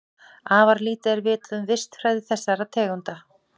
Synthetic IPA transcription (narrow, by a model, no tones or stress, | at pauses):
aːvaɾliːt̪aɛɾvɪːt̪ðʏmvɪst̪fɾajðɪθɛsːaɾat̪ʰɛːɣʏnt̪a